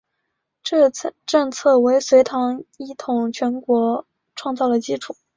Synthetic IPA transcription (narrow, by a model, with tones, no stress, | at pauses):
ʈ͡ʂɤ˥˧ŋt͡sʰɤ˥˩we˧˥ɪswe˧˥ɪt̪ʰɑ˧˥ŋi˥t̪ʰʊ˨˩ŋt͡ɕʰɥɛ˧˥nkwɔ˧˥ | ʈ͡ʂʰwɑ˥˧ŋt͡sɑ˥˩d̪ə˩t͡ɕi˥ʈ͡ʂʰu˨˩˦